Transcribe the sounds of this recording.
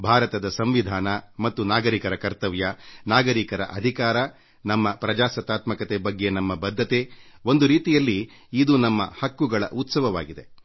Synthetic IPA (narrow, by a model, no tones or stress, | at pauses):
bʱaːɾɐt̪ɐd̪ɐsɐmʋid̪ʱaːnɐmɐt̪ːunaːɡɐɾikɐɾɐkɐɾt̪ɐʋjɐnaːɡɐɾikɐɾɐʔɐd̪ʱikaːɾɐ | nɐmːɐpɾɐd͡ʒaːsɐt̪aːt̪mɐkɐt̪ebɐɡːenɐmːɐbɐd̪ʱːɐt̪eo̞nd̪uɾiːt̪ijɐlːiːd̪unɐmːɐhɐkːuɡɐɭɐ̰ʔut̪sɐʋɐʋa̰ːɡid̪e̞